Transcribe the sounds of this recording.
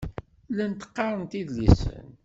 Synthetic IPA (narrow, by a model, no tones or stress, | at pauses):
lænt̪ə̥qːɑɾˤənt̪iðlisə̰n